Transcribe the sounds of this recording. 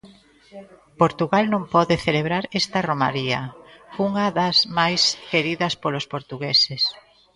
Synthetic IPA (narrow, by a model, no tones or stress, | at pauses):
poɾt̪uɣalnõŋpɔðeθeleβɾaɾest̪ɐromaɾiɐuŋɐðɐzmajskeɾiðɐspolospoɾt̪uɣeses